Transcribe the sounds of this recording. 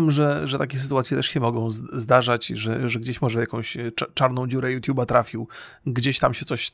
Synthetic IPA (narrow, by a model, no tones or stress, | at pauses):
mʐɛʐɛt̪akʲɛs̬ɨ̥t̪uwat̪sʲjɛt̪ɛʂɕɛmɔɡɔ̃w̃zzd̪aʐat͡ɕʐɛʐɛɡd͡ʑeɕmɔʐɛjakɔ̃w̃ɕt͡ʂaɾnɔ̃w̃d͡ʑuɾɛjut̪ʲjubat̪ɾafʲiw | ɡd͡ʑeɕt̪amɕɛt̪ɔɕ